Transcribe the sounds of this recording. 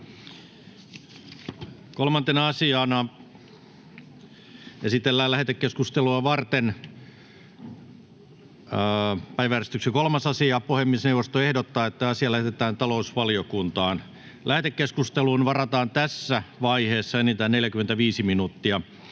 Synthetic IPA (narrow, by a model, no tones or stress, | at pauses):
kolmɑnt̪enɑɑsiɑnɑ | esit̪elːæːlæhet̪ekkeskust̪eluɑʋɑrt̪en | pæiʋæːrest̪yksikolmɑsɑsiɑpohemːˑisneuwʋːˑost̪oehdot̪ːɑːet̪ːæɑsiɑlæhet̪et̪æːnt̪ɑlousʋɑlijokunt̪ɑːn | læhet̪ekkːeskust̪eluːnʋɑrɑt̪ɑːnt̪æsːæʋɑiheːsːɑenit̪æneljækyment̪æʋiːsiminut̪ːiɑ